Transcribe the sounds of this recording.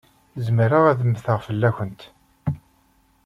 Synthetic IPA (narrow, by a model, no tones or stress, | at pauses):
zəməɾəʁæðəmːθəʁfəlːæçʷənt̪